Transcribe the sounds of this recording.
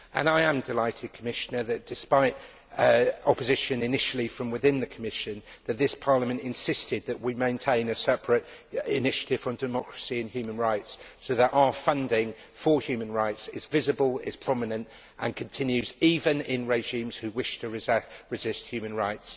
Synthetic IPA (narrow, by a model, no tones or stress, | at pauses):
ʔə̰̃ñaɪə̃mdɪlaɪtʰɪd̚kʰəmɪʃənəðɨt̚d̥ɪspaɪt | ɒpəzɪʃə̃nɪnɪʃəl̩ˠifɹə̃mwɪðɪ̃nðɨkʰəmɪʃə̃nðəʔ̪̚ðɪspʰɑɹləmə̃ntɪ̃nsɪstɪd̪̚ðəʔwimẽɪ̃ntʰẽɪ̃nəsɛpʰɹətɪnɪʃə̥tʰɪv̥ə̃mdɪmɒkʰɹ̥əsiɨ̃nhjʉːmə̃nɹaɪtssoʊðətaʊəfʌ̃ndɪ̃ŋ | fəhjʉːmə̃nɹaɪtsɪzvɪzəbəlˠɪz̥pʰɹ̥ɒmɨnə̃nt | ʔə̰̃nkʰə̃ntʰɪ̃njʉziːvə̃nɪ̃nɹeɪʒĩːmz̥hʉwɪʃtʰəɹɪɹɪzɪst̚hjʉːmə̃nɹaɪts